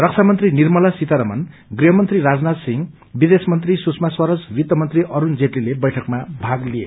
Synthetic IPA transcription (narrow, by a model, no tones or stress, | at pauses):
rʌk̚t͡sʰamʌnt̪rinirmʌlasit̪aɾʌmʌn | ɡriɦʌmʌnt̪riɾad͡znat̪siŋ | bid̪esmʌnt̪risusʰmaswʌɾʌswit̪ːʌmʌnt̪riʔʌɾund͡zeʈlilebʌjʈʰʌkmabʱaɡlijḛ